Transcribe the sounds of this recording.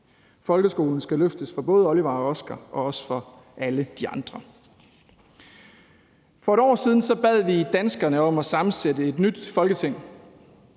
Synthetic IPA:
fɒ̽lɡ̥əsɡ̥o̝ːln̩sɡ̥æløfd̥əsfɒb̥ɔ̽ːð̞ˠɒ̽liʋɑ̈ɒ̽sɡ̥ɐʔɒ̽ɒ̽sə̥fɒ̽ | ʔæləd̥iɑ̈nd̥ʁɐ | fɒ̽e̝ɾɒ̰ːsiːð̞ˠn̩sɒ̽b̥ɛð̞̰ˠʋid̥ænsɡ̥ɐnəɒ̽mæsɑ̈mn̩sedəe̝d̥nyd̥fɒ̽lɡ̥ət͡sʰeŋ̰

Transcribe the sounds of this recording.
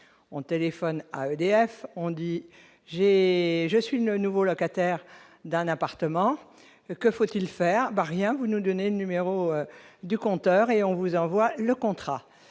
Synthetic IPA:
ɔ̃t̪elefɔna̰ød̪eɛfɔ̃d̪i | ʒeʒəsɥilənuvolɔkat̪ɛʁ | d̪ɛ̃napaʁt̪əmɑ̃ | kəfot̪ilfɛːʁbaʁjɛ̃vunud̪ɔnelənymeʁoød̪ykɔ̃t̪œʁeɔ̃vuzɑ̃vwaləkɔ̃t̪χa

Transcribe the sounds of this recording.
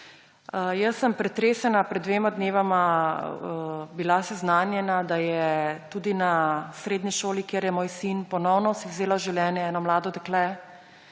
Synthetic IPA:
jəsːəmpɾɛt̪ɾeːsɛnapɾɛd̪ːʋeːmad̪neːʋama | bilasɛznaːnjɛnad̪ajɛt̪uːd̪inasɾeːd̪niʃoːlikjeɾjɛmoːjsinpɔnɔwnɔsiwzeːlaʒɛwljɛːnjɛɛːnɔmlaːd̪ɔd̪ɛklɛ

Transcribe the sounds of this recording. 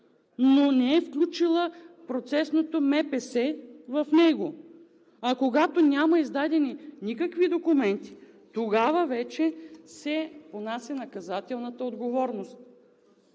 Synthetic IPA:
nonɛɛfklʲut͡ʃilˠəpɾot̪sɛsnot̪omɛpɛsɛvɐfnɛɡo | ɐkoɡat̪onʲamɐizd̪ad̪ɛninikəkvid̪okumɛnt̪i̥ | t̪oɡavəvɛt͡ʃɛsɛponasʲɐnɐkɐzat̪ɛlˠnət̪əod̪ɡovɔɾnost̪̚

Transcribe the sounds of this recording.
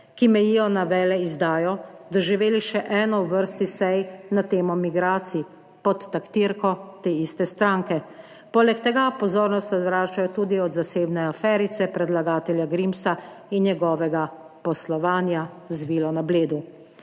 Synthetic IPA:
kimɛjiːjɔnaʋɛːlɛizd̪aːjɔd̪ɔʒiʋeːliʃɛʔɛːnɔwʋəɾst̪isɛjnat̪eːmɔmiɡɾaːt̪sii | pɔt̪ːakt̪iɾkɔt̪eːist̪ɛst̪ɾaːŋkɛ | poːlɛkt̪ɛɡapɔzoːɾnɔst̪ɛzɾaːt͡ʃajɔt̪uːd̪iɔd̪zaseːbnɛafɛːɾit̪sɛpɾɛd̪laɡaːt̪ɛljaɡɾimsa | injɛɡɔːʋɛɡa | pɔslɔʋaːnja | zʋiːlɔnableːd̪u

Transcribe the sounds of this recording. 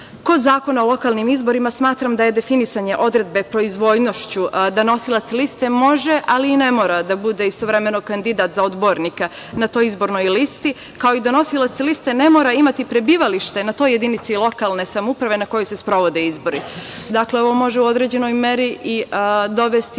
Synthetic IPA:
ko̞d̪zaːko̞naolˠo̞kaːlˠnimizbo̞ɾimasmaːt̪ɾamd̪aje̞d̪e̞finisaɲe̞ʔo̞d̪ɾe̞d̪̚be̞pɾo̞izʋo̞jno̞ʃt͡ɕud̪ano̞silat̪slist̪e̞mo̞ʒe̞ʔaliːne̞mo̞ːɾad̪abud̪e̞ist̪o̞ʋɾe̞me̞no̞kand̪id̪at̪zaod̪bo̞ɾnika | nat̪o̞jizbo̞ɾno̞jlist̪i | kao̞id̪ano̞silˠat̪selist̪e̞ne̞mo̞ːɾaimat̪ipɾe̞biːʋaliʃt̪e̞nat̪o̞je̞d̪init̪silˠo̞kalne̞samoupɾaʋe̞nako̞juse̞spɾo̞ʋo̞d̪eizbo̞ɾid̪akle̞o̞ʋo̞mo̞ʒe̞uo̞d̪ɾe̞d͡ʑe̞no̞jme̞ɾiʔid̪o̞ʋe̞st̪i

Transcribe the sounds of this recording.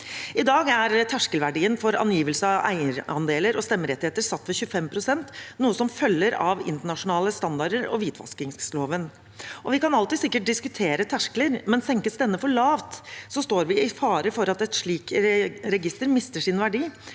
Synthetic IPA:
ɪd̪ɑːɡæɾt̪ʰæʂkəlʋæɖiːənfɔɾɑ̰njiːʋəlsəɑʋæ̰ɪəɾɑnd̪eːləɾɔst̪ɛmːəɾɛt̪ɪheːt̪əɾsɑt̪ːʋɛçʉəfɛmpʰɾʊsɛnt̪nuːəsɔmfœlːəɾɑ̰ʋɪ̰nt̪əɳɑʂʊnɑːləst̪ɑnd̪ɑɖəɾɔ̰ʋiːt̪ʰʋɑ̰skɪŋsloːʋən | ʔɔʋɪkɑnɑlt̪ɪsɪkːəʈ̚d̪ɪskʉt̪ʰeːɾət̪ʰæʂkləɾmɛnsɛŋkəsd̪ɛnːəfɔɭɑːʋt̪sɔst̪oːɾʋɪɪfɑːɾəfɔɾɑt̪ɛt̪ʂɭiːkɾɛɡɪst̪əɾmɪst̪əʂɪnʋæɖiː

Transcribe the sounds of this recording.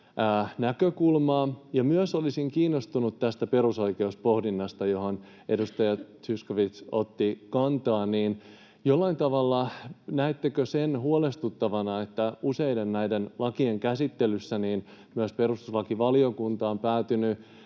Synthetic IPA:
æːnækøkulmɑːjɑmyøsolisiŋkiːnːost̪unut̪t̪æst̪æpe̞ɾuso̞ike̞uspo̞hdinːɑst̪ɑjo̞hon | edust̪ɑjɑtyskoʋit̪sot̪ːikɑnt̪ɑːnniːn | jolːɑint̪ɑʋɑlːɑnæit̪ːekøsenɦuolest̪ut̪ːɑʋɑnɑet̪ːæuse̞jde̞nnæjde̞nlɑkieŋkæsit̪ːelysːæniːnmyøspe̞ɾrust̪uslɑkiʋɑlio̞kunt̪ɑːmpæːt̪yny

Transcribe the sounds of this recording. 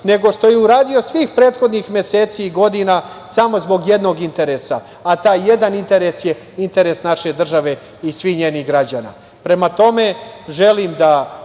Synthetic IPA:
ne̞ɡo̞ʃt̪o̞jeuɾaːd̪io̞sʋiːxpɾeːt̪xo̞d̪nixmʲje̞seːt̪siːɡo̞d̪inasamo̞zbo̞ɡje̞d̪no̞ɡint̪e̞ɾesa̰ː | t̪aːjːe̞d̪anint̪e̞ɾesje̞ | int̪e̞ɾe̞snaʃe̞d̪r̩ʒaʋe̞ | isʋixɲe̞ːniɣɡɾad͡ʑana̰ | pɾe̞mat̪o̞me̞ʒe̞limd̪a

